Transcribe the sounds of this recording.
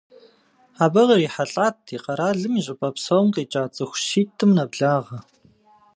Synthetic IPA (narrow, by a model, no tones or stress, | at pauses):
aːbɐʁɐriːħaɬʼaːtʰiːqɐɾaːɮɨmiɕʼɪpʼɐpsɐwmqiːt͡ʃʼaːt͡sʼɨxʷʃiːtʰɨmnɐbɮaːʁɐ